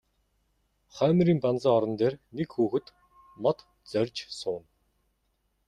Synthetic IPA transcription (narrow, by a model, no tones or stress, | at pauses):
χœːm̆ʲɾiːmpant͡saːɔɾɞ̆nt̪eːrnekxuːxɘ̆t̪ | mɔt̪ | t͡sœrʲt͡ɕsʊːn